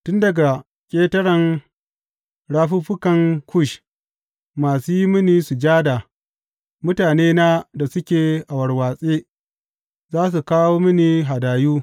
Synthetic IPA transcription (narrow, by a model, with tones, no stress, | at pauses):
tʊ˦ndɐ˨ɡa˨ | kʲʼeː˦tɐ˦ɽɐ˨ŋ | ɽaː˦ɸuː˦ɸʊ˦kɐ˨ŋkʰʷʊ˦˨ʃ | maː˨suː˦ji˦mɪ˦niː˨su˨d͡ʒaː˦da˨ | mʊ˦taː˨neː˦na˦da˨sʊ˦kʲeː˨ʔa˨wɐ˨ɽwaː˨sʼeː˦ | zaː˦s̬u˨kaː˦woː˦mɪ˦ni˨ɦa˨daː˨juː˦